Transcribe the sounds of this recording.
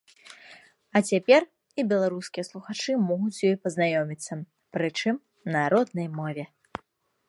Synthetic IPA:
ɐt͡sʲapʲɛr | ibʲɛlˠaɾuskʲijɛslˠuxat͡ʂɨmɔɣut͡sʲjɔjpɐznajɔmʲit̪sːɐ | pɾɨt͡ʂɨm | nɐɾɔd̪nɐjmɔvʲɛ

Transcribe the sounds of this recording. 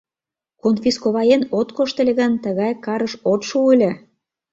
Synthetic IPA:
konfʲiskoβɑjenot̪koʃt̪ə̆lʲĕɣənt̪əɣɑjkɑɾəʃot̪ʃuulʲĕ

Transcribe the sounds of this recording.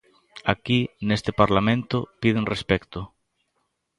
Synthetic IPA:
akinest̪epaɾlamẽnt̪ʊpið̞eŋrespɛkt̪ʊ

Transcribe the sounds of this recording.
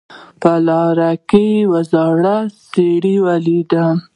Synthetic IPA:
palɑɾakəwazɑɽaseɽiwalid̪a

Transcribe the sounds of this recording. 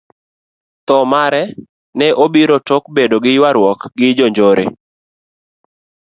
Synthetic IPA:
t̪ɔmaɾɛ | nɛʔobiɾotok̚bedoɡɪjwaɾwɔkɡɪd͡ʒoɲd͡ʒoɾḛ

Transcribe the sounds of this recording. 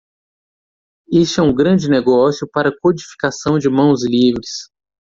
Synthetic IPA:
est͡ʃɛũɡɾɐ̃d͡ʒɪneɡɔsjʊpaɾɐkod͡ʒifi̥kasɐ̃w̃d͡ʒɪmɐ̃w̃zlivɾɪs

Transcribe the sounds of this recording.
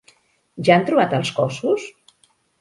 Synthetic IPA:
ʒaant̪ɾuβat̪əlˠskɔsus

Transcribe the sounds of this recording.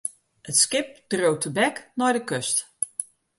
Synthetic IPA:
ətskɪp̚d̥rowtʰəbɛknɔjdəkøst

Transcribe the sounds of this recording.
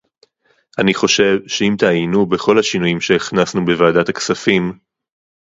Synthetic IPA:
ʔaniχo̞ʃe̞vʃeimtaːjnubeχo̞lhaʃinujimʃeiχnasnube̞vaːdathaksafim

